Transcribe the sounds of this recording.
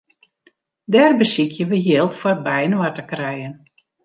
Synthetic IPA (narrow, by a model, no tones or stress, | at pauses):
dɛːrbəsikʰjəʋəɦjɪlˠtfɔt̚bɛjənatəkrɛjən